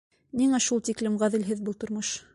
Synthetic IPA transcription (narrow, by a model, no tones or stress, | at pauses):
niŋæʃulˠt̪iklɘmʁæðɘ̆lɦɘðbɤlˠt̪ŏɾmoʃ